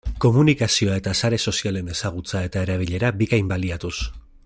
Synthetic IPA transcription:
ko̞munikasio̞ae̞t̪asaɾe̞so̞siale̞ne̞saɣ̞ut͡sae̞t̪ae̞ɾaβ̞iʎe̞ɾabiɣajmbaliat̪us

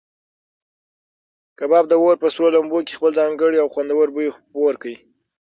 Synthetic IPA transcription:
kabɑb̚d̪əwoɾpəsɾolamboke̥xpəlzɑŋɡəɽiawxwand̪awəɾbəjexpoɾkai

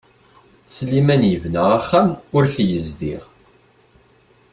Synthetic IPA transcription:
slimænjəvnəʁaχːæmʊɾθjəzd̪ḭʁ

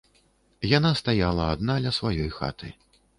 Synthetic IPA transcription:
janast̪ajalˠɐad̪nalʲɐsvajɔjxa̰t̪ɨ̰

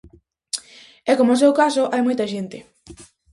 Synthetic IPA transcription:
ɛkomosewkasoʔajmojt̪ɐʃent̪ɪ

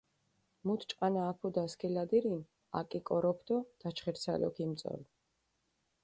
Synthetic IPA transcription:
mut̪ʰt͡ʃʼqʼanaːpʰud̪askʰɛlad̪iɾin | a̰kʼikʼɔɾɔpʰd̪ɔd̪̥at͡ʃʰχɛɾt̪sʰa̰lɔ̰kʰimt̪sʼɔ̰l

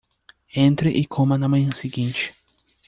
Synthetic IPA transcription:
ẽnt̪ɾɪʔɪkʰõmɐnɐmɐ̃j̃ɐsiɡĩnt͡ʃɪ̥

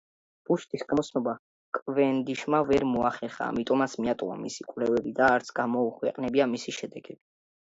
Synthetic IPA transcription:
b̥uʃt̪ʼisɡamɔt̪sʰnɔba | kʼvɛnd̪iʃmavɛɾmɔaχɛɾχa̰ːmit̪ʼɔmat̪sʰmiat̪ʼwa̰misikʼvlɛvɛbid̪aːɾt̪sʰɡ̥amɔuχʰwɛqʼnɛbiamisiʃɛd̪ɛɡɛb̥i

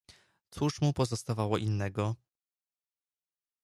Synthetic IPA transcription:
t̪suʂmupɔzɔst̪avawɔʔinːɛɡɔ

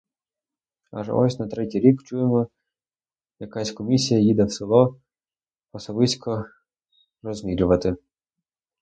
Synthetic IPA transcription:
a̰ʒ̰ɔ̰sʲnɐt̪ɾɛtʲijɾʲikt͡ʃujemɔ | jɐkasʲkɔmʲisʲijɐjid̪ɛwsɪlˠɔ | ɔsɔbɪsʲkɔ | rɔzʲmʲilʲʊʋɐt̪ɪ

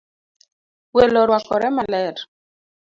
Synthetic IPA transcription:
welɔɾwakɔɾɛmalɛɾ

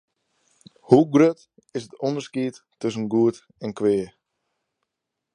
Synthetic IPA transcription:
huɡrøt | ɪsətɔndəskiətː | øs̬ənɡuət | ɛnkʋɪə

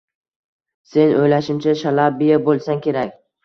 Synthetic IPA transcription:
se̞nojlaʃɪmt͡ʃʰaʃalabijabolˠsaŋkʲʰe̞ɾakʲ

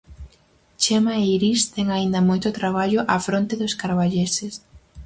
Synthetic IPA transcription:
t͡ʃemaeiɾist̪ɛŋaind̪ɐmojt̪ot̪ɾaβ̞aʎoʔafɾont̪eðoskaɾβaʎeses

